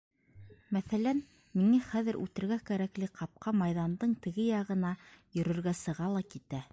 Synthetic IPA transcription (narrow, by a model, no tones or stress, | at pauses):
mæθælæn | miŋæχæðɘ̆ɾʔʉ̰t̪ɘ̆ɾɡækæɾæklɘqɑp̚qʰɑmɑjðɑnd̪ɤɴt̪ɘ̆ɡɘjɑʁɤ̆nɑjɵ̆ɾɵ̆ɾɡæsɤ̆ʁɑlˠɑkit̪æ